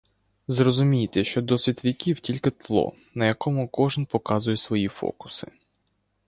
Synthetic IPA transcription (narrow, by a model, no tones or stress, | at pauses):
zrɔzʊmʲijt̪ɛʃt͡ʃɔd̪ɔsʲʋʲit̪ʋʲikʲiwtʲilʲkɪt̪lˠɔ̰ | nɐjɐkɔmʊkɔʒɨnpɔkɑzʊjɛsʋɔjifɔ̰kʊ̥sɪ̥̰